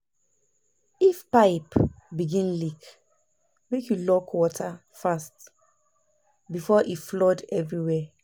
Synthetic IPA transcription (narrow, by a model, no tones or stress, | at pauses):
ifpaɪpbiɡĩnlik | mekjulɔkʰwɔtʰa | fast | bifɔʔiflɔdɛvɹiwɛ